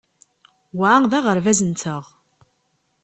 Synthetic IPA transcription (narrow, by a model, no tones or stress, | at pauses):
wʕaðæʁəɾvæzənt̪əʁ